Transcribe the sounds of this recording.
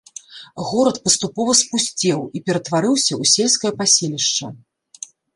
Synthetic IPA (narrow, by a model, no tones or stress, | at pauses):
ɣɔɾɐt̪̚pɐst̪upɔvɐspusʲt͡sʲɛwipʲɛɾɐt̪vaɾɨwsʲɐusʲelʲskɐjɐpasʲelʲiʂt͡ʂɐ̰